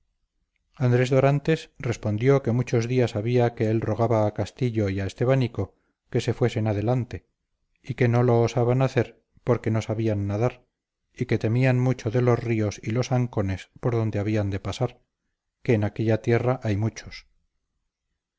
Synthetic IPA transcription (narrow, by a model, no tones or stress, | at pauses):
and̪ɾe̞zðo̞ɾant̪e̞sre̞spo̞nd̪jo̞ke̞mut͡ʃo̞zðiasaβiake̞elro̞ɣ̞aβaːkast̪iʎo̞iaest̪e̞βaniko̞ | ke̞se̞fwe̞se̞naðe̞lant̪e̞ | ike̞no̞lo̞ːsaβanaθe̞ɾ | po̞ɾke̞nosaβianːaðaɾ | ike̞t̪e̞mianmut͡ʃo̞ðe̞lo̞zrio̞silo̞saŋko̞ne̞spo̞ɾðo̞nd̪e̞aβiand̪e̞pasaɾ | ke̞ːnake̞ʎat̪je̞raʔajmut͡ʃo̞̥s